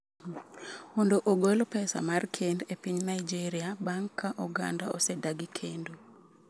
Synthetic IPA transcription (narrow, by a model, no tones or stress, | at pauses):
mondoʔoɡolpɛsa̰markʰendepiɲnaɪd͡ʒiɾiabaŋkʰːaʔɔɡa̰nda̰ɔsedaɡɪkʰendo